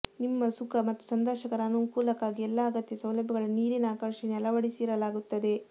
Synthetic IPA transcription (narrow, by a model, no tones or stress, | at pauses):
nimːɐsukɐmɐt̪ːu̥sɐnd̪ɐːʃɐkɐɾɐːnuŋkuːlɐkaːɡiɛlːɐɐɡɐt̪jɐsɐwlɐbʱjɐɡɐɭuniːɾinɐaːkɐɾʂinɛlɐʋɐɽisiːɾɐlaːɡut̪ːɐd̪e̞